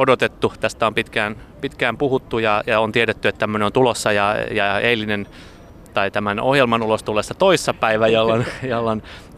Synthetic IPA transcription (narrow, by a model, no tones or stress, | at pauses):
odot̪et̪ːut̪æst̪æompit̪kæːn | pit̪kæːmpuhut̪ːujɑjɑont̪ieɾet̪ːyet̪t̪æmːøneont̪ulosːɑjɑjɑeilinen | t̪ɑit̪æmænohjelmɑnulost̪ulːˑesːɑt̪oisːɑpæiʋæjolːonjolːon